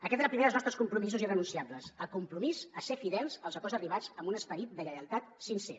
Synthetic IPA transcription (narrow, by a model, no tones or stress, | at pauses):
əkɛt̪ezləpɾimeðəlˠznɔst̪ɾəskumpɾumizuzirənunsiabləsəlˠkumpɾumizəsefiðɛlˠz̥əlˠzəkozəriβ̞ad͡zəmbunəspəɾit̪̚d̪əɣəjəlˠt̪at̪sinsḛ